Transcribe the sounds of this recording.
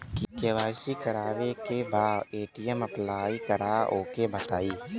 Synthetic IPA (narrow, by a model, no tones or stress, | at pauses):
kikeʋaːsikəɾaːʋekebaːeːʈijəməplaːikəɾaoːkebət̪aːiː